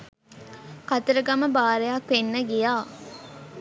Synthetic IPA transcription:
kat̪əɾəɡɐməbaːɾejakʋenːəɡijaː

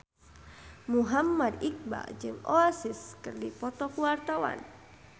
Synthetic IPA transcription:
muɦamːadik̚ba̰d͡ʒɨŋɔasiskɨrdipɔt̪ɔkuwart̪awa̰n

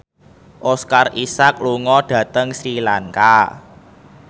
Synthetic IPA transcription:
ʔɔskarisak̚luŋɔɖ̥ä̤t̪əŋsɾilaŋka

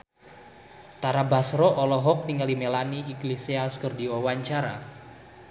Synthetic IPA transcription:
t̪aɾabasɾɔʔɔlɔɦɔk̚niŋalimelaniiɡleseaskərdiwawaɲt͡ʃaɾa̰

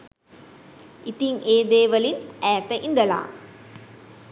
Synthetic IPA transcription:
it̪iŋeːd̪eːʋəlinæːt̪əʔind̪əla̰ː

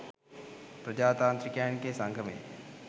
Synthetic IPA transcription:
pɾəd͡ʒaːt̪ãːnt̪ɾɪkaːnkesãŋɡʰʱəmḛ̃ː

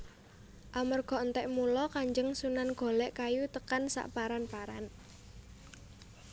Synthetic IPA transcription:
ʔamərɡ̥ɔ̤ənt̪ɛʔmulɔkaɲd͡ʒəŋsunanɡ̥ɔ̤lɛʔkajut̪əkansa̰ʔpaɾanpaɾan

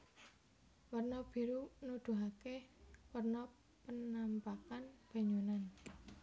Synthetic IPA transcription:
wərnɔb̥i̤ɾunud̪̥ṳɦakewərnɔ | pənampakanb̥a̤ɲunan

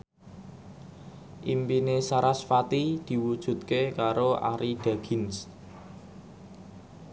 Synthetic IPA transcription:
ʔimpinesaɾasfat̪id̪̥i̤wud̥ʒ̥ṳt̪̚kekaɾoʔa̰ɾiɖ̥a̤ɡ̥ɪ̤ns

